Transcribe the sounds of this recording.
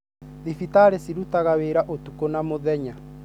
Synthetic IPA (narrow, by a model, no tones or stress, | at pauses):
ðifitaɾesiɾutaɣaβeːɾaʔotukonamoðɛɲa